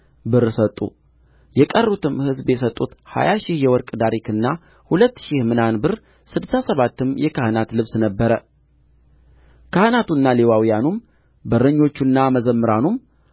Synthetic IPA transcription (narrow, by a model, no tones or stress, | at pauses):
bɨɾsət̪ʼːṵ | jɛkʼərːut̪ʰɨmhɨzbjɛs̬ət̪ʼːut̪ha̰jaʃɪhjɛwɔɾkʼd̪aɾikʰɨnːa | hulət̪ːʃɪhmɨnanbɨɾ | sɨd̪ɨsasəβat̪ːɨmjɛkʰahɨnat̪lɨβsnəbːəɾə | kʰahɨnat̪ʰunːalewawijanum | bəɾəɲːo̞t͡ʃːunːaməzəmːɨɾanum